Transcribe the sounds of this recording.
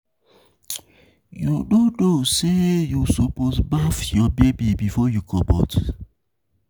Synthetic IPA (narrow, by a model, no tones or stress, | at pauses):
judodosejusoposbafjɔbebibifɔjukʰɔbɔ̰t